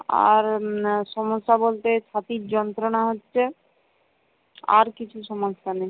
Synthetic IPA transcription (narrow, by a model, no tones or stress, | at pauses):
a̰ɾʃɔmoʃːabolt̪et͡ɕʰat̪iɾd͡ʑɔnt̪ɾonaɦotːɕʰe | a̰ɾkit͡ɕʰuʃɔmosane